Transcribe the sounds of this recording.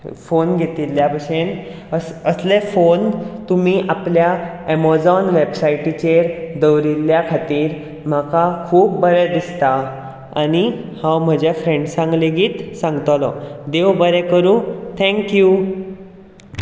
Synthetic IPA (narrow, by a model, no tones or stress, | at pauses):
fonɡʱet̪ilːjapəɕen | əsəslefont̪umiːʔaplja | ɛmɔd͡zɔnʋebsaiʈit͡ɕeɾd̪əwɾilːjakʰat̪iːɾ | m̤akakʰuːp̚bəɾɛd̪ist̪a | a̰ñihãwm̤əd͡ʑafɾẽɳɖsãŋɡleɡiːt̪sãŋɡt̪lɔd̪eʋbəɾɛkəɾũt̪ʰɛ̃ŋkju